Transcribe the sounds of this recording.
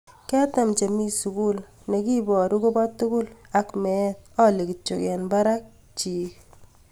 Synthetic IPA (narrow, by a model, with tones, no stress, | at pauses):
kɛ˦ta˨mt͡ʃe˨mi˦su˨ku˦l | ne˨ki˦bɔ˨ɾu˦ko˦ba˦tːu˦kʊ˦la˨kmɛ˦t̪̚ɔ˦le˨ki˨t͡ʃo˨kɛ˨nba˦ɾa˦k̚ | t͡ʃi˨